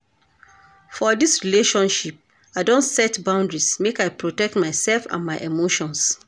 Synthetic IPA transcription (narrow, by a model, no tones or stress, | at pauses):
fɔdisɹileʃɔ̃nʃip̚ | aɪdõnsɛtbãʊ̃ndɹismekaɪpɹotɛk̚tmaɪsɛlfã̰nmaɪʔemoʃɔ̃ns